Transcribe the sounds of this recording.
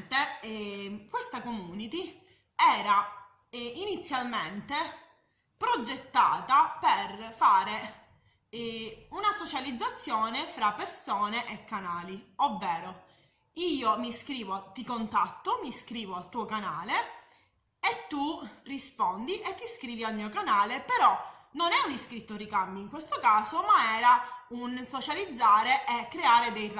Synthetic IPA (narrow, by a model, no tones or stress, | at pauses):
t̪e | kwest̪akomuːnit̪i | ɛːɾa | init̪sːjalment̪e | pɾod͡ʒet̪ːaːt̪aperfaːɾe | unasot͡ʃalid̪zːat̪sːjɔːnefɾapːeɾsɔːneʔekːanaːliovːɛːɾo | iːomiskɾiːvot̪ikont̪at̪ːomiskɾiːvoalt̪uːokanaːle | et̪ːurispɔnd̪iʔet̪ːiskɾiːvialmiːokanaːlepeɾɔ | nonɛuniskɾit̪ːorikamːiiŋkwest̪okaːsomaɛːɾaunsot͡ʃalid̪zːaːɾeʔekːɾeaːɾed̪ejr